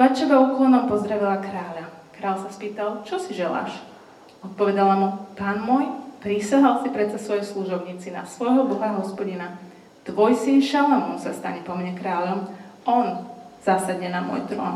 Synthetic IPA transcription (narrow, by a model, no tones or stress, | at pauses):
pat͡ʃɛʋauːklˠɔnɔmpɔzɾaʋilakɾaːʎa | kɾaːʎsaspiːt̪alˠt͡ʃɔsiʒɛla̰ːʃ | ɔt̪̚pɔʋɛd̪alamupaːnmɔjpɾisaɦalˠsipɾɛt͡sasʋɔjɛsluʒɔʊɲiːt͡sina̰sʋɔjɦɔbɔɦaɦɔspɔɟina | t̪ʋɔjsinʃalamɔmsast̪aɲɛpɔmɲɛkɾaːʎɔmɔnz̥asad̪ɲɛnamʊɔ̰jt̪ɾɔ̰ːn